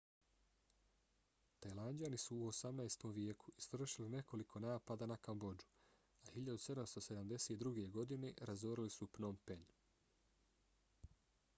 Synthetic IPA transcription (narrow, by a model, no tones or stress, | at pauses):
t̪ajland͡ʒanisuːosamnajst̪o̞mʋjeːku̥isʋɾr̩ʃiline̞ko̞likʰo̞naːpad̪anakambod͡ʒu̥ | ahiʎad̪use̞d̪amst̪o̞se̞d̪amd̪e̞set̪d̪ɾuɡe̞ɡo̞d̪ine̞ɾazoɾilisupnompen